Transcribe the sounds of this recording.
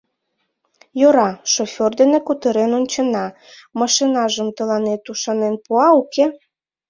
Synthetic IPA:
joɾɑʃofʲord̪enekut̪əɾenonʲt͡ɕə̆nɑ | mɑʃinɑʒəmt̪əlɑnet̪uʃɑnenpuɑuke

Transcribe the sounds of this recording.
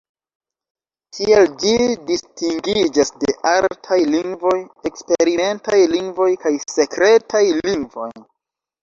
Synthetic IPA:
kʰield͡ʒidistiŋɡid͡ʒasde̞ʔaltʰajliŋɡvo̞je̞kspe̞ɾime̞ntajliŋɡvo̞jkajse̞kɾe̞tʰajliŋɡvo̞̰jn

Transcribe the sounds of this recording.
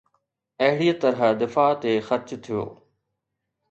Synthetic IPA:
ɐɦɪɽiːt̪ɐɾəd̪ɪfaːt̪eːxɐɾt͡ɕt̪ʰijo̰ː

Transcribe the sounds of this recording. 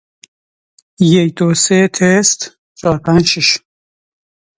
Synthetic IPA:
jecd̪oset̪ʰest̪ | t͡ʃʰɒːɾpʰænʃiʃ

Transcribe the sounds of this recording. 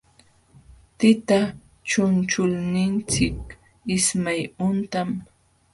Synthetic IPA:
t̪ɪt̪a | t͡ʃʊnt͡ʃʊlnɪnt͡sɪk | ɪsmajʊnt̪am

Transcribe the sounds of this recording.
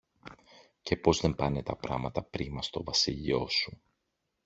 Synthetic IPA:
ce̞po̞zðe̞mpɐne̞t̪ɐpɾɐ̰mɐt̪ɐpɾimɐst̪o̞vɐsiʎio̞su

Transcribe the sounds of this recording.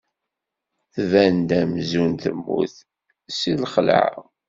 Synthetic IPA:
θvænd̪æmzunt̪ə̰mːṵθ | silχəlʕ̰

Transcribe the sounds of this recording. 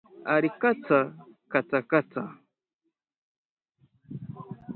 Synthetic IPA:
aɾikat͡sakat͡sakat͡sa̰

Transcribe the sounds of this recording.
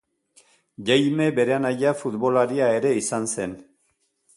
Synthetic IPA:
ʝajme̞be̞ɾeanaʎafut̪βo̞laɾiae̞ɾe̞isanse̞n

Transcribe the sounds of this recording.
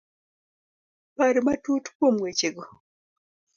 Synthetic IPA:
baɾimatutu̥komwet͡ʃeɡo

